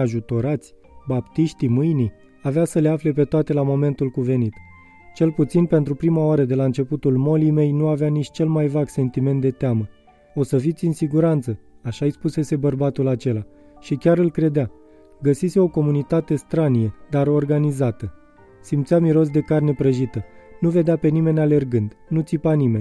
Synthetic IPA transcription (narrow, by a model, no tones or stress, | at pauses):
aʒut̪o̞ɾat̪sʲ | bapt̪iʃt̪imɨjni | aveasəleafle̞p̬e̞t̪oat̪e̞lamo̞me̞nt̪ulkuve̞nit̪ | t͡ʃe̞lput̪sinpe̞nt̪ɾupɾimaoaɾəd̪e̞laɨnt͡ʃe̞put̪ulmo̞lime̞jnuaveanit͡ʃt͡ʃe̞lmajvaɡse̞nt̪ime̞nt̪d̪e̞t̪eamə | o̞səfit̪sʲɨnsiɡuɾant̪səaʃaispuse̞se̞bərbat̪ulat͡ʃe̞la | ʃikʲaɾɨlkɾe̞d̪ea | ɡəsiseo̞ko̞munit̪at̪e̞st̪ɾanijed̪aɾo̞rɡanizat̪ə | simt̪sʲamiɾo̞s̬d̪e̞karne̞pɾəʒit̪ənuve̞d̪eape̞nime̞nʲale̞rɡɨnd̪nut̪sipanime̞nʲ